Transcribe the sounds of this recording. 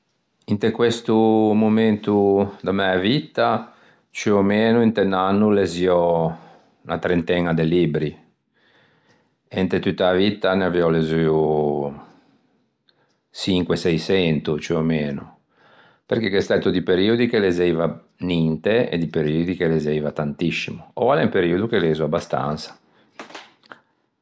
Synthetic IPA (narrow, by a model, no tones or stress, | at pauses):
int̪ekwest̪umoment̪ud̪amɛavit̪ːa | t͡ʃuomeːnuint̪enːanːuleziɔ | nat̪ɾent̪ɛnad̪elːibɾi | ent̪et̪ut̪ːaavit̪ːaneavɛɔlezuu | t͡ʃiŋkwesɛjsɛnt̪ut͡ʃuomeːnu | perk̟ekest̪at̪od̪ipeɾiod̪ikelezeiva | nint̪eḛd̪ipeɾiːod̪ikelezejvat̪ant̪isːimuo̰valɛmpeɾiod̪ukeleːzuabːast̪a̰nt̪sḁ